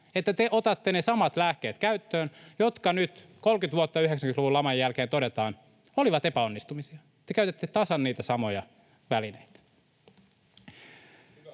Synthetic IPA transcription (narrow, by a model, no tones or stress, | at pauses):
et̪ːæt̪eʔot̪ɑt̪ːenesɑmɑt̪læhk̟e̞ːt̪kæyt̪ːøːnjo̞t̪kɑnyt̪ko̞lkyt̪ʋuot̪ːɑyɦeksæŋkynluʋulːɑmɑjjælk̟eːnt̪odet̪ɑːn | o̞liʋɑt̪epæo̞nːist̪umisiɑ | t̪ːekæyt̪et̪ːet̪ɑsɑnːiːt̪æsɑmo̞jɑ | ʋæline̞jt̪æ̥